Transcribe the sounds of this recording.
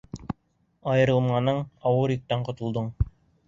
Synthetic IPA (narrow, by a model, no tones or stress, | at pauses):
ɑjɤ̆ɾɤ̆lˠmɑnɤɴɒwɤɾĭk̚t̪æɴqŏt̪ŏlˠd̪ɤɴ